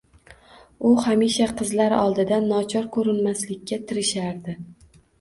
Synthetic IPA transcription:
ʊhamiʃaqʰɨzlaɾɒ̰lˠd̪ɪd̪anːɒt͡ʃʰɒɾkʰɵɾɪnmaslɪkʲːat̪ʰɪɾɪʃaɾd̪ɪ

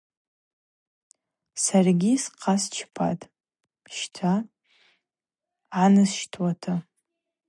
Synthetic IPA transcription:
sarɡʲisqʰast͡ʃʰpʰa̰tʼ | ʃtʰa | anɨsʃtʰwatʰa

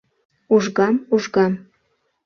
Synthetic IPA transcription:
uʒɣɑmuʒɣɑm

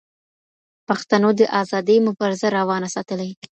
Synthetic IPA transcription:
paxt̪anod̪əʔɑzɑd̪əjmʊbɑɾɪzaɾawɑnasɑt̪əlaj

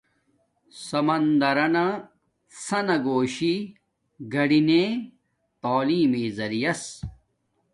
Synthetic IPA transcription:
sɐmɐnd̪ɐɾɐnɐ | sɐnɐɡoːɕi | ɡɐɽinẽ | t̪aːliːmiːzɐɾijɐs

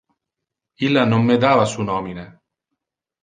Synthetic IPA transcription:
ilːanomːed̪aːvasunɔːmine

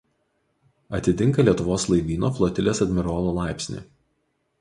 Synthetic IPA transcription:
ɐt̪ʲɪt̪ʲɪŋkɐlʲiɛt̪ʊʋoːslˠɐɪʋʲiːnoːflˠɔt̪ʲɪlʲeːsɐd̪ʲmʲɪɾoːlˠoːlˠɑˑɪpʲsʲnʲḭːˑ

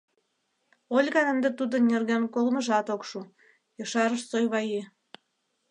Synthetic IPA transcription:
olʲɣɑnə̆nd̪ĕt̪ud̪ə̆nnʲerɣænkolmə̆ʒɑt̪okʃu | jɤʃɑɾəʃsojβɑje

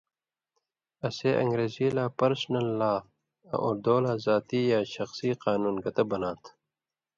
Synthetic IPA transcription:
ɐseʔɐ̰̃ŋɡɾeːziːlaːpɐɾsnɐlːaː | ɐ̰ʔoɾd̪oːlaːzaːt̪iːjaːɕɐxsiːqaːnuːnɡɐt̪ɐbɐnãːt̪ʰ

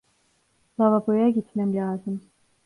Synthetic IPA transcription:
lˠavapojaɟit̪mæmlʲaːzɯm

